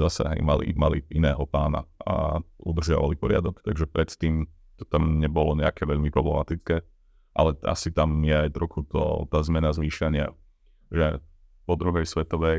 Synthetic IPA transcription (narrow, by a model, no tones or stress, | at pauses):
zasɛ̰ɦɛ̰ɪmalḭmalḭinɛːɦɔpaːna̰a̰ud̪r̩zaʋa̰lipɔɾɪa̰d̪ɔkt̪aɡʒɛpɾɛt̪t̪iːm | t̪ɔ̥t̪amɲɛbɔlɔɲɛakɛʋɛʎmipɾɔblɛmat̪it͡skɛː | ʔa̰lɛa̰sit̪amjɛajt̪ɾɔxut̪ɔ̰t̪aːzmɛnazliːʃaɲɪa | ʒɛ | pɔd̪ɾuɦɛjsʋɛt̪ɔʋɛj